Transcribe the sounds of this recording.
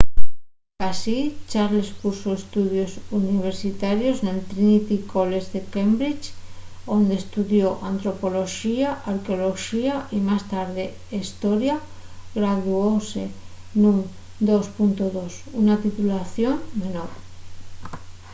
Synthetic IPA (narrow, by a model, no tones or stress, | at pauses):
asit͡ʃaɾlespusoest̪uðjosuniβ̞eɾsit̪aɾjoznelt̪ɾinit̪ikolezðekembɾit͡ʃond̪est̪uðjoʔant̪ɾo̞po̞lo̞ʃiaaɾkeolo̞ʃiaʔimast̪aɾðe | st̪oɾja | ɣɾaðuowse | nuŋ | d̪ospunt̪oðosunat̪it̪ulaθjoŋmenoɾ